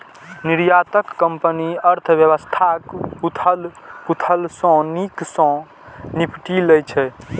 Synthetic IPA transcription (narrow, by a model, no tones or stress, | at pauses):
niɾjat̪əkːəmpəniəɾt̪ʰbjəβəst̪ʰakut̪ʰəlput̪ʰəlsɔ̃niksɔ̃ | nipʈiləjt͡ʃʰɛ